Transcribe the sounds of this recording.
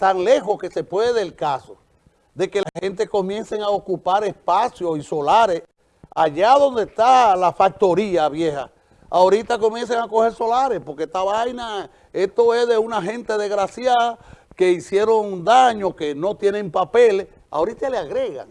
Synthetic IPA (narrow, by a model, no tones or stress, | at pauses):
t̪aŋle̞ɦo̞ske̞se̞pwe̞ðelkaso | ðe̞ke̞lahe̞nt̪e̞ko̞mjẽ̞nseŋaokupaɾe̞spasjosiso̞laɾes | aʝaðo̞nd̪est̪alafak̚t̪o̞ɾiaβje̞ha̰ | aoɾit̪ako̞mjens̬eŋako̞he̞ɾso̞laɾehpo̞ɾket̪aβajna | e̞ht̪o̞e̞hðe̞unaɦẽ̞nt̪e̞ðeɣɾasjað | ke̞isje̞ɾo̞ŋd̪aɲoke̞no̞t̪je̞nẽmpapele | a̰oɾit̪aleaɣɾeɣa̰ŋ